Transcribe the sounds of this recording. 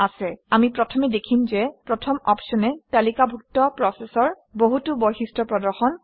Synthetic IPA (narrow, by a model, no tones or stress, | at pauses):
asɛamipɹɔtʰɔmɛdekʰimzɛpɹɔtʰɔmɔpsɔnɛtalikabʱuk̚tɔpɹɔsɛsɔɹ | boɦutubɔjxistɹɔpɹɔdɔɹxɔn